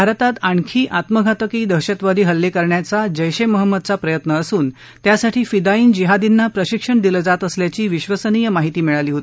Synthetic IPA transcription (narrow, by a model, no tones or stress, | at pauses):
bʱaɾt̪at̪aɳkʰiːʔat̪məɡʱat̪əkiːd̪əɕət̪ʋad̪iːɦəlːekəɾɳjat͡sad͡ʑəjɕeməɦəmːəd̪̚t͡sapɾəjət̪nəːsuːn | t̪jasaʈʰiːfid̪aiːnd͡ʑiɦad̪inːapɾəɕikʂəɳd̪iləd͡zat̪əsljat͡ɕiːʋiɕʋəsənijəmaɦit̪iːmiɭaliːɦot̪i